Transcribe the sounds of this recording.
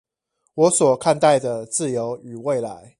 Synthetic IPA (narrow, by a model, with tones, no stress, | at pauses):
wɔ˨˦swɔ˨˩kʰa˥˧nt̪a˥˨ɪd̪ə˩t͡sɹ̩˥˨jo˧˦˥ʊy˨˩we˥˨ɪla˧˦ɪ